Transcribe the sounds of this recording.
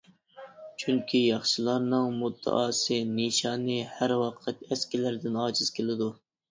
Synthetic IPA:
t͡ʃʰyŋkʲʰijɑχʃɨlˠɑɾnɨŋmut̪ʰːɛ̰ʔɑːsɨniʃɑːnɨhæɾwɑqʰɨt̪ɛskʲilæɾd̪ɪnɑːd͡ʒɨz̥kʲʰelɪd̪u

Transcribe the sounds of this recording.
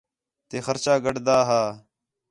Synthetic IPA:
t̪eːxəɾt͡ʃaːɡəɖd̪aːɦaː

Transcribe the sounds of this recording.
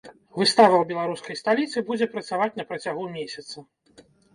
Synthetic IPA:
vɨst̪avɐwbʲɛlˠaɾuskɐjst̪alʲit̪sɨbud͡zʲɛpɾɐt̪savat͡sʲnɐpɾɐt͡sʲaɣumʲesʲɐt̪sɐ

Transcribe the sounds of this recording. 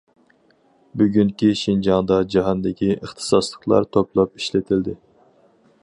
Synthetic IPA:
byɡʲyŋkʲiʃind͡ʒɑŋd̪ɑd͡ʒɑɦɑnd̪ɪkʲiəχt̪ʰɨ̥sɑslˠəqlˠɑ̰ɾt̪ʰoplˠɑpiʃlɪt̪ʰɪld̪ɪ

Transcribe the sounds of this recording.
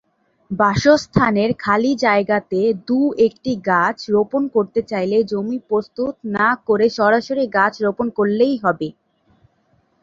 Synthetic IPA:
baʃost̪ʰaneɾkʰalid͡ʑaeɡat̪ed̪uek̚ʈiɡat͡ɕɾoponkoɾt̪et͡ɕajled͡ʑomipɾost̪ut̪nakoɾeʃɔɾaʃoɾiɡat͡ɕɾoponkoɾlejɦɔbe

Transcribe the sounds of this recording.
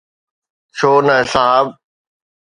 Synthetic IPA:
t͡ʃʰoːnɐɦɪsaab̚

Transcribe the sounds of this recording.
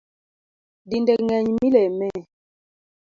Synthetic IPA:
dindɛŋɛɲmilɛmɛ

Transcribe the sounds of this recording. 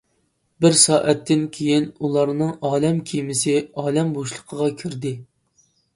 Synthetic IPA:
bɪɾsɑːʔɛt̪ʰːɪnkʲʰejinulˠɑɾnɨŋɑːlɛmkʲʰijmɪsɪɑːlɛmboʃlˠəqʰəʁɑkʲʰyɾd̪ɪ

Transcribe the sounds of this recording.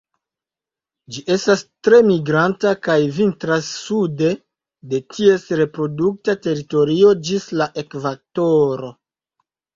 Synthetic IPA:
d͡ʒiʔe̞stastɾe̞miɡɾantakajvintɾasːude̞ | de̞tʰie̞sɾe̞pɾo̞duk̚tate̞ɾito̞ɾio̞d͡ʒislaʔe̞kvak̚toɾo̞

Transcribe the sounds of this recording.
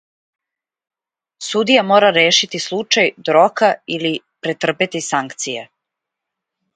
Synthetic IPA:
sud̪ijamoːɾaɾeːʃit̪islˠut͡ʃajd̪ɾokailipɾet̪r̩pet̪isaŋkt̪sije

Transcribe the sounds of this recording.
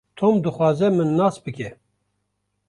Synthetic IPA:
t̪ʰoːmd̪ɨxwɑːzɛmɨnːɑːsbɨkʲɛ

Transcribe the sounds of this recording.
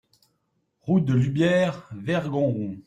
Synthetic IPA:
ʁud̪əlybjɛːʁvɛʁɡɔ̃ʁɔ̃

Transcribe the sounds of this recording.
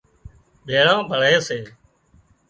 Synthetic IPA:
ɓʱeːɽãːbʱəɭeːseː

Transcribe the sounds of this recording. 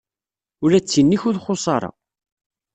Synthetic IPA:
ʊɾæt͡sːinːiçʊðχʊsˤɑɾˤɑ̰

